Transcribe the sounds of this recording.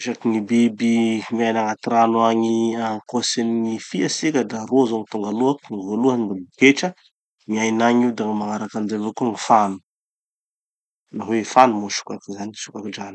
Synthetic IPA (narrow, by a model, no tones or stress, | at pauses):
ʃakiŋibibimiajnaŋat̪iɾanwaɲiaŋkoseninifiasikʲəd̪aɾozoŋit̪uŋɡaluakt̪uŋvoluaɲimbabukeʈ͡ʂə | miajnaɲiud̪aŋimaŋaɾakanizevokuŋifanu̥ | naɦweefanumoʃu̥kakizaniʃukakiɖ͡ʐani̥